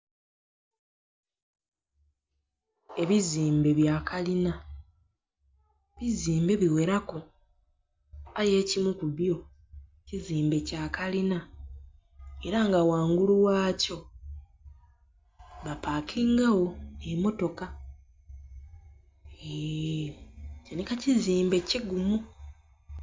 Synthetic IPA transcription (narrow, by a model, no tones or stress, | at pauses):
e̞βiziːmbe̞βjaːkʰalina | βiziːmbe̞βiwe̞ɾako | aje̞ːcimukuβjo̞ | ciziːmbe̞caːkalina | e̞ɾaŋɡawaːŋɡuluwaːco̞ | βapakʰiːŋɡawo̞emo̞to̞ka | e | cenikaciziːmbe̞ciɡumu